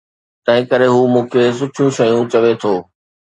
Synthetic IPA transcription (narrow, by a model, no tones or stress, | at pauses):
t̪ɐ̃ɦɪ̃kəɾeɦuːmũːkʰes̬ʊʈʰjũʃɐjũt͡ɕɐʋet̪ʰoː